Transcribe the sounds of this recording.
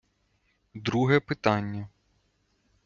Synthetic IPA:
d̪ɾuɦɛpɪt̪ɑnʲːɐ

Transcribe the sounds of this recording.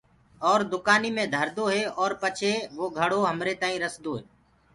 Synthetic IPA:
ɔːɾd̪ʊkaːniːmẽːd̪ʱəɾd̪oːɦeːʔɔːɾpət͡ʃʰeːʋoːɡʱəɽoːɦəmɾeːt̪aːĩːɾəsd̪oːɦeː

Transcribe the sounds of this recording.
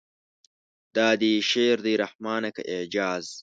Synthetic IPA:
d̪̥ɑːd̪iʃeːɾd̪iɾahmɑːnɐkɐ̰ʔeʕd͡ʒɑːz

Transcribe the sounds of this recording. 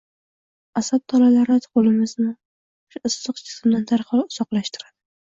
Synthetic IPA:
asat̪̚t̪ʰːɒlalaɾt̪ʰqolɪmɪznɪ | ʊʃaʔɨsːɨqt͡ʃʰɪ̥sɪmd̪ant̪ʰaɾqʰɑlʊz̥ɒqlˠaʃt̪ɪɾad̪̥ɪ

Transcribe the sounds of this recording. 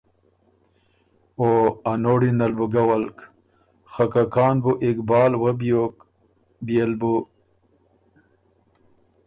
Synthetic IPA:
oanoːɽinɐlbuɡawɐlk | xakakaːnbuʔikbɑːlwɐbok | bjelbu

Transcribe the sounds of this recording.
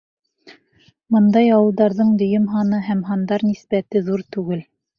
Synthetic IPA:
mɤnd̪ɑjɑwɤ̆lˠd̪ɑɾðɤɴd̪ɵ̆jɵmɦɑnɤɦæmɦɑnd̪ɑɾnispæt̪ɘðuɾt̪ʉɡɘl

